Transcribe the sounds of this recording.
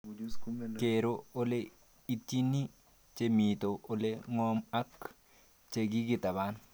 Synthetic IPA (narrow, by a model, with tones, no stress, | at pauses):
ke˨ɾo˦o˦le˦ | i˦ti˦ni˦ | t͡ʃe˦mi˨t̪o˨ʔo˨le˦ŋɔ˦ma˦k | t͡ʃe˨ɡi˦ɡɪ˦˨t̪a˨ba˦n